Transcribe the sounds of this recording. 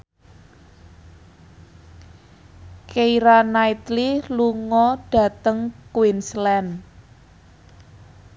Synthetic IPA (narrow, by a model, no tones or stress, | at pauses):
keiɾanait̪liluŋɔɖ̥ä̤t̪əŋkwinslɛn